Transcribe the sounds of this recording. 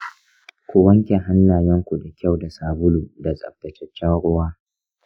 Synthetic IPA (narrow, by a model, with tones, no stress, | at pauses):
kʷʊ˨wɐ˦ŋkʲe˨ɦa˦nːaː˨jɐ˦ŋkʷu˨da˨kʲa˦˨wda˨saː˨bʊ˦luː˨da˨sʼɐ̰˨bbɐ˨t͡ʃɛ˦t͡ʃʲːɛ˦nɽʊ˦waː˦